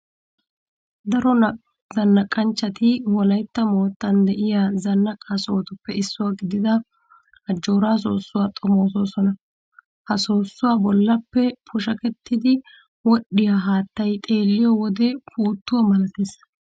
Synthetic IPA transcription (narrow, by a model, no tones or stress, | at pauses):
d̪ɐɾɔn | zɐnːɐkʼːɐnt͡ʃːɐt̪ɪwɔlɐjt̪ːɐmo̞ːt̪ːɐnd̪ɛʔɪjaːzɐnːɐkʼːaːsoːt̪ʊpːɛɪsːʊwaːɡɪd̪ɪd̪ɐ | ɐd͡ʒːo̞ːɾaːs̬o̞ːsːʊwaːt̪ʼɔmo̞ːs̬o̞ːsɔnɐ | hɐsoːsːʊwaːbɔlːɐpːɛpʰʊʃɐkɛt̪ːɪd̪ɪ | wɔɗɪjaɦaːt̪ːɐjt̪ʼe̞ːlːɪjɔwɔd̪ɛpuːt̪ːʊwɐmɐlɐt̪eːs